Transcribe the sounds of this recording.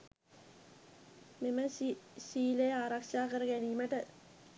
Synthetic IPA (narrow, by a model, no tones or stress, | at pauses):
meməʃiːlejaːɾakʂaːkəɾəɡæniːməʈə